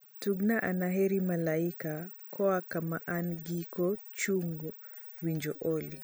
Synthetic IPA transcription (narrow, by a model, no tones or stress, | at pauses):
tuɡnaʔanaɦɛɾimalaikakʰɔakamaʔanɡikɔt͡ʃuŋɡu | wiɲd͡ʒɔʔɔli